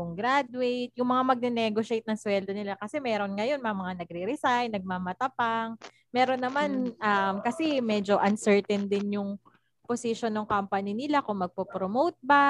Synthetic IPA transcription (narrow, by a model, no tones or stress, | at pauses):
ʊŋɡɾad̪wejt̪̚jʊŋmɐŋamɐɡ̚nɛnɛɡoʃejt̪nɐŋswɛld̪o̞nɪlakɐsɛmɛːɾo̞nŋɐjo̞nmɐmɐŋanɐɡɾiɾɪsajnɐɡ̚mamɐt̪ɐpaŋ | mɛːɾo̞nːɐmanʔɐmkɐsɛmɛd͡ʒo̞ʔɐnsɛɹt̪ɛnd̪ɪnjʊŋ | posɪʃonːoŋkampɐnɪnɪlakʊŋmɐɡ̚popɾomowt̪̚ba